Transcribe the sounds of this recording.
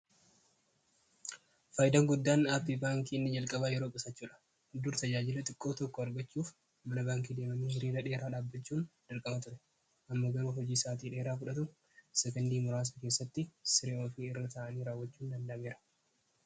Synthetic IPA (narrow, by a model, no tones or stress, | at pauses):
faːjɪd̪ɐŋɡʊd̪ːaːnaːpːiːbaːŋkiːɪnːɪd͡ʒɐlkʼɐbajɛɾo̞ːkʼɪsɐt͡ʃːuːᶑɐ̥ | d̪ʊɾt̪ɐd͡ʒaːd͡ʒɪlɐt̪ʼɪkʼːo̞ːt̪ɔkːɔɐɾɡɐt͡ʃːuːf | mɐnɐbaːŋk̬iːd̪e̞ːmɐmihɪɾiːɾɐᶑe̞ːɾaːᶑaːbːɐt͡ʃːuːnd̪̥ɐɾkʼɐmɐt̪ʊɾɛ | ʔɐmːɐɡɐɾuːɦɔd͡ʒiːsaːt̪iːᶑe̞ːɾaːfʊᶑɐt̪ʊ | sɛkɛnd̪iːmʊɾaːs̬ɐke̞ːsːɐt̪ːɪsɪɾeoːfiːɪrːɐt̪ɐːʔɐniːɾaːwːɐt͡ʃːuːnd̪ɐnd̪ɐʔmeːɾɐ̥